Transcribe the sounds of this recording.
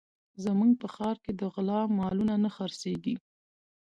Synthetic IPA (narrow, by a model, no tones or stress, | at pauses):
zəmuŋɡ̚pəxɑɾked̪əɣlɑmɑlunanəxəɾseɡi